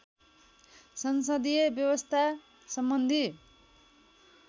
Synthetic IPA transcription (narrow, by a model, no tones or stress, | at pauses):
sʌnsʌd̪ijʌbjʌwʌst̪ʰa | sʌmbʌnd̪ʱi